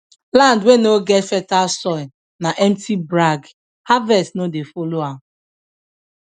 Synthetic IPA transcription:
lãndwenoɡɛtfɛtasɔɪ | naʔɛmtʰibɾaɡ | havɛstnodefoloa

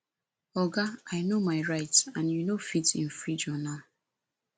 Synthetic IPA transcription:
ɔɡaajnomaɪɹaɪtãnjunofitḭ̃nfɹid͡ʒɔnal

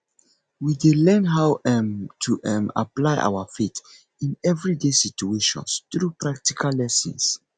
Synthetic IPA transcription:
widelɛ̃nɦawɛmtʰuʔɛma̰plaɪʔa̰wəfit | ĩnɛvɹidesit͡ʃueʃɔ̰̃nstɹupɹak̚tikʰalːɛsə̰̃ns

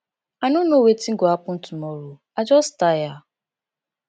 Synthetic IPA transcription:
anʊnowetiŋ̩ɡoapʊn̩tumɔɾo | ad͡ʒɔstaja

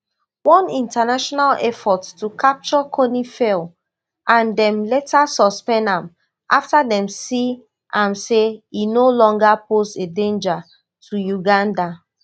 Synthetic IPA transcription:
wɔ̃nĩntanaʃɔnalɛfɔttukʰap̚t͡ʃɔkʰonifɛl | ʔãndɛ̃mlɛtasɔspɛ̃ndãm | ʔaftadɛ̃msi | ʔãmseinolɔ̃ŋɡapʰosedẽnd͡ʒa | tʰujuɡãnda

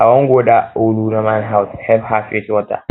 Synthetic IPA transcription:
awaŋɡʷoːdaoluɾamanɦawshɛbhafiswɔta̰

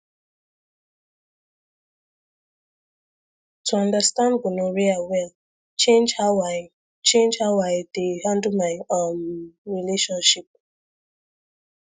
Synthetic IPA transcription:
tʰuãndastãnɡʊnoɹiawɛl | t͡ʃẽnd͡ʒhawa | t͡ʃẽnd͡ʒhawaɪdeɦãn̩dumaɪonɹileʃɔ̃nʃip̚

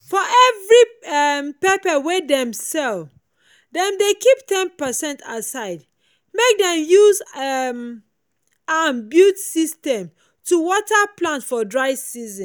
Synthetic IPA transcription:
fɔʔɛvɹimpɛpəwedɛ̃msɛl | dɛ̃mdekiptʰɛ̃npəsɛ̃ntasaɪd | mek̚dɛ̃mjuzm | anbjutsistɛ̃m | tuwɔtaplãntfɔdɹaɪsizə̃n

